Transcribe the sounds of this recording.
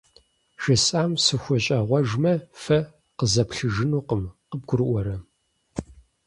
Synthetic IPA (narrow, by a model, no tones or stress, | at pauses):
ʒɐsʼaːmsɨxʷʊɕʼɐʁʷɔʒmɐfɐ | qəzɐpʰɬɨʒɨnuːqəmqəb̚ɡʷʊɾɨʔʷɔɾɐ